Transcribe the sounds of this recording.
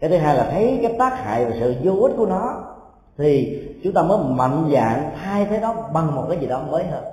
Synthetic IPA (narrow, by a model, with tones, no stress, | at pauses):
kaː˨˦t̪ʰɨ˨˦ɦaː˧jlaː˨˩t̪ʰə˨˦jkaː˨˦jt̪aː˦˥k̚ha̰ː˧˨jvaː˨˩sɨ̰˧˨zo˧ʔi˦˥t̚ku˧˩ənɔ˨˦ | t̪ʰi˨˩t͡ɕʊ˨˦ŋ͡mt̪aː˧məː˨˦jma̰˧˨nza̰ː˧˨ŋt̪ʰaː˧jt̪ʰeː˨˦jɗɔ˨˦ɓa˨˩ŋmo˨˩t̚kaː˨˦jzi˨˩ɗɔ˨˦məː˨˦jɦəː˧n